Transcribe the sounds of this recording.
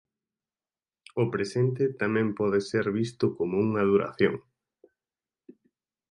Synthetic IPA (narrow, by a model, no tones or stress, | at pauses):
ʊpɾesent̪ɪt̪amɛ̃mpɔðeseɾβist̪ʊkomouŋað̞uɾa̰θjo̰ŋ